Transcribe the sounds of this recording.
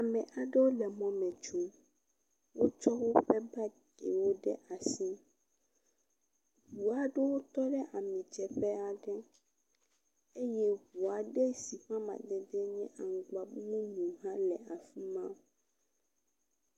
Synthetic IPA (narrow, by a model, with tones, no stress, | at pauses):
a˨mɛ̃˨ʔa˨ɖɛ˦wo˦lɛ˨mɔ̃˦mɛ̃˨t͡ʃo˦ | wo˦t͡ʃɔ˦wo˦ɸɛ˦ba˦ɖḛ˨wo˦ɖɛ˦ʔa˨si˦ | hu˨a˨ɖe˦wo˦t̪ɔ˦ɖɛ˦ʔa˨mĩ˨d͡ʒɛ˨ɸɛ˦a˨ɖɛ˦ | e˦jɛ˦ɦwu˨a˨ɖe˦si˨ɸã˦mã̰˨d̪ɛ˨d̪ɛ˦ɲɛ̃˦ʔa˨ŋ̩˨ɡ͡ba˨˦mũ˦nũ˨ɦã˦lɛ˨a˨fi˦mã˦